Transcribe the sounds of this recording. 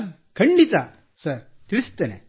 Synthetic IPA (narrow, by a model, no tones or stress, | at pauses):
kʰɐɳɖit̪a | sɐɾ | t̪iɾst̪enḛ